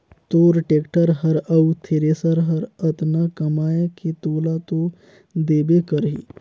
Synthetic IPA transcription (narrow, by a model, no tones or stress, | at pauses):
t̪oːɾʈeːkʈəɾɦəɾəut̪ʰeɾesəɾɦəɾət̪nakəmaːjeket̪oːlat̪o | d̪eːbekəɾɦḭː